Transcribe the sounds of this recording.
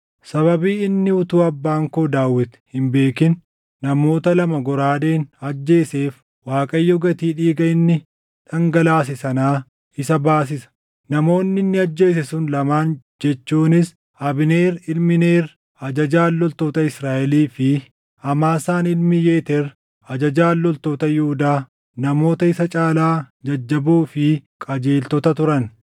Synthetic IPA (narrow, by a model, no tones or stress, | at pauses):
sɐβɐbiːɪnːɪʊt̪uːɐbːaːŋkoːd̪aːwːɪt̪ɛ̥hɪmbe̞ːkɪnː | ɐmo̞ːt̪ɐlɐmɐɡɔɾaːd̪e̞ːnɐd͡ʒːe̞ːse̞ːf | waːkʼɐjːɐɡɐt̪iːᶑiːɡɐɪnːɪ | ᶑɐŋɡɐlaːs̬ɪsɐnaː | ɪsɐbaːs̬ɪsɐ̥ | nɐmo̞ːnːɪnːɪɐd͡ʒːe̞ːsɛsʊnlɐmaːn | d͡ʒɛt͡ʃːuːnɪs | ɐbɪneːɾɪlmɪne̞ːɾ | ɐd͡ʒɐd͡ʒaːlːɔlt̪o̞ːt̪ɐɪsɾaːʔɛliːfɪ | ɐmaːsaːnɪlmɪjeːt̪ɛɾ | ɐd͡ʒɐd͡ʒaːlːɔlt̪o̞ːt̪ɐjʊhʊd̪aː | nɐmo̞ːt̪ɐɪsɐt͡ʃʼaːlaːd͡ʒɐd͡ʒːɐbuːfɪkʼɐd͡ʒe̞ːlt̪ɔt̪ɐt̪ʊɾɐn